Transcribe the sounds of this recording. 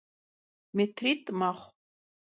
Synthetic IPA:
metʰritʼmaχʷ

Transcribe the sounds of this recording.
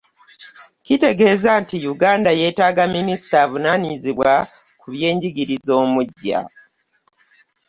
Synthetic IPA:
cite̞ɡe̞ːzantijuɡaːndaje̞ːtaːɡaminisi̥tavunaniziβwa | kuβje̞ːɲɟiɡiɾizo̞ːmuɟːa̰

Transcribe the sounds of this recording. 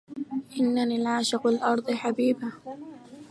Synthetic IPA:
ʔɪnːaniːlʕaːʃɪqalʔɑɾˤd̪ˤɨħabiːba

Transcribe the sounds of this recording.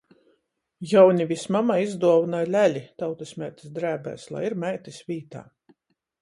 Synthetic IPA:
jawnʲivismamaizd̪uɔvnalʲælʲit̪awt̪esmʲæjt̪i̥sd̪ɾæːbæ̰ːslˠa̰jiɾmæjt̪isʋʲiːt̪a̰ː

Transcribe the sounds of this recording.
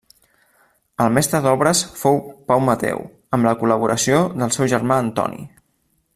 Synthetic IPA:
əlˠmɛst̪ɾəðɔβɾəsfowpawmət̪ɛ̰w | əmləkuləβ̞uɾʔəsioðəlˠsɛwʒərmaənt̪ɔ̰nḭ

